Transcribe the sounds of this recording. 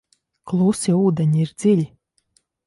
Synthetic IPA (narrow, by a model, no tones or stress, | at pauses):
klˠusʲiuːd̪eɲiiɾd̪z̥ilʲi